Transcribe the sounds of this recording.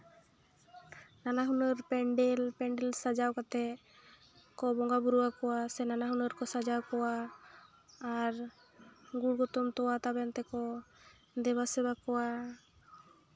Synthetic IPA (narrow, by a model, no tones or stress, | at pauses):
nanaɦunɔɾpɛɳɖɛlpɛɳɖɛlsad͡ʒawkat̪ɛ | kɔbɔŋɡabuɾuwakɔwasɛnanaɦunɔɾkɔsad͡ʒawkɔwa | ɾ | ɡuɽɡɔt̪ɔmt̪ɔwat̪abɛnt̪ɛkɔ | d̪ɛbasɛbakɔwa